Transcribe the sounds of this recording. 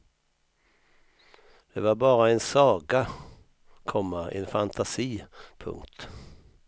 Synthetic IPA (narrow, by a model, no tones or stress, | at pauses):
d̪̥ɛvaɾbɑːɾaɛnsɑːɡa | kʰɔmːaɛ̰nfant̪ʰasiːpʰɵ̰ŋkt̪